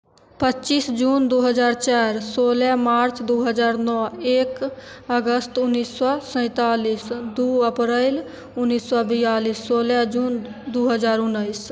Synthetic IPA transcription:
pətːʃiːsd͡ʒuːnd̪oːɦəd͡ʒaːɾt͡ʃaːɾsoːlɛ̃maːɾt͡ʃd̪oːɦəzaːɾnɔːeːk | əɡəst̪ʊnːiːsːɔsɛ̃ːt̪aːliːsd̪uːəpɾeɪl | ʊnːiːsːɔbijaːliːsːoːlɛd͡ʒuːnd̪oːɦəzaːɾʊnːəɪs

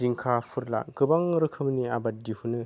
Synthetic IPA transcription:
iŋkʰapʰɯɾla̰ɡɯbaŋɾɯkʰɯmniabat̚dihunɯ

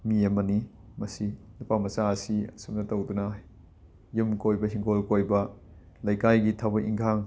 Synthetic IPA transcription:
miɐmɐni | mɐsilupamɐsaɐsiɐ̰sum̚nɐtowdunɐ | jumkojbɐɦiŋɡolkojbɐ | lɐjkajɡitʰabɐʔḭŋkʰaŋ

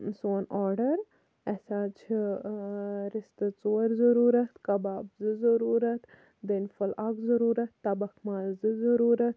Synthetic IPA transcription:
soːnaːɾɖɐɾ | esaːt͡ʃʰ | ɾist̪ɐt͡soːɾzɐɾuːɾɐt̪kɐbaːbzɨzɐɾuːɾɐt̪ | d̪enfɐlaɡzɐɾuːɾɐt̪ːɐbɐkmaːzzɨzɐɾuːɾɐt̪̚

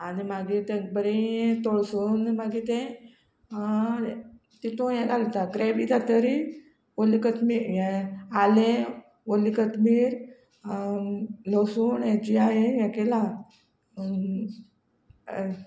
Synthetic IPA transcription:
animaɡit̪ɛ̃bəɾeɛt̪oɭsunmaɡit̪ɛ̃ | t̪it̪õjɛ̃ɡalt̪aɡɾebid͡zat̪əɾi | ʋolikət̪miɾjɛ̃alẽ | ʋolikət̪miːɾ | losuːnjɛt͡ɕiaɦejɛ̃kɛla

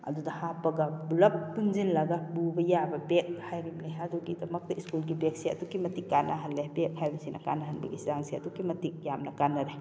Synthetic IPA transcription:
ɐ̰dudɐhapɐɡɐbulɐpːunzinlɐɡabubɐjabɐbek̚hajɾimleɦaduɡidɐmɐk̚tɐiskulɡibek̚sia̰dukimɐtikːanʔaɦɐnlebek̚hajbɐsinʔɐ̰ka̰naɦɐnbɐ̰ɡizaŋsijadukimɐtik̚jamnɐkanɐɾe

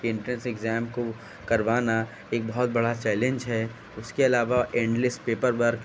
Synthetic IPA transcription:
kɪ̃ɳʈɾɛnseɡzɛːmko | kɐɾʋaːna | eːk̚bɔɦɔt̪̚bɐɽat͡ʃɛːlẽɲd͡ʒɦɛː | ʊskeɐlaːʋaʔẽːɳɖlɪspeːpəɾbəɾk

